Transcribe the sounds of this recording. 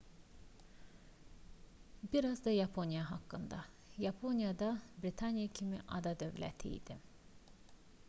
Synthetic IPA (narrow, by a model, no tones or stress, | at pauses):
biɾɑzd̪ɑjɑpʰo̞njɑɦɑkːɯnd̪ɑ | jɑpʰo̞njɑd̪ɑbɾit̪ʰɑnjacʰimiʔɑ̰d̪ɑd̪ø̞vlæ̰t̪ʰḭjd̪̥ḭ